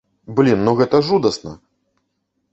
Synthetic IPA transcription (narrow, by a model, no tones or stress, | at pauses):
blʲinːɔɣɛt̪ɐʐud̪ɐsnɐ